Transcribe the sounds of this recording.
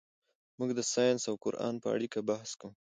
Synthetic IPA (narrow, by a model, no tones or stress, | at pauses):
muɡd̪əsɑjɑnsawkʊɾʔɑ̰npəa̰ɽikabahskau